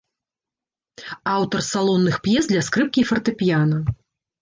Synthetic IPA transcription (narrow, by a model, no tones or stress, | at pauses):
awt̪ɐrsalˠɔnːɨxpjɛzd̪lʲɐskɾɨp̚kʲifɐrt̪ɨpʲjanɐ